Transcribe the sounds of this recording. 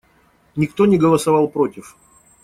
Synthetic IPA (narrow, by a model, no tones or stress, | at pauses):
nʲɪkt̪o̞nʲɪɡəlˠəsɐvɑlˠpɾo̞tʲɪf